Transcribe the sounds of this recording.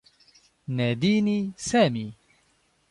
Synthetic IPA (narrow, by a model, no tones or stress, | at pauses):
næd̪iːnisaːmiː